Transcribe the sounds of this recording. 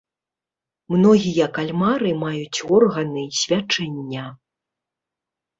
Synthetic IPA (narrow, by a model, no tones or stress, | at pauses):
mnɔɣʲijɐkalʲmaɾɨmajut͡sʲɔrɣɐnɨsʲvʲat͡ʂɛnʲːɐ